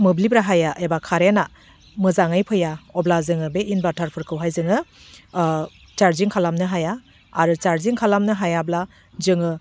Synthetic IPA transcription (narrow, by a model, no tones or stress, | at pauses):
mɯblibɾaɦajaʔebakʰaɾena | mɯzaŋɯjpʰɯjaɔblazɯŋɯbeʔinbatʰaɾpʰɯɾkʰɯwɦajzɯŋɯ | t͡ʃaɾziŋkʰalamnɯɦajaː | ɾɯt͡ʃaɾziŋkʰalamnɯɦajabla | zɯŋɯ